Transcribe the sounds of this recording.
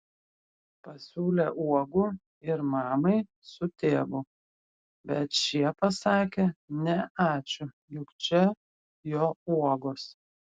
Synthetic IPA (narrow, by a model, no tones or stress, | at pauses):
pɐsʲuːlʲeʔuɔɡʊ | ɪɾmɑːmɐɪ | sʊt̪ʲeːʋʊ | bʲɛt̪ʃʲiɛpɐsɑːkʲenʲɛʔɑːt͡ʃʲʊ | jʊkt͡ʃʲɛ | joːuɔɡoːs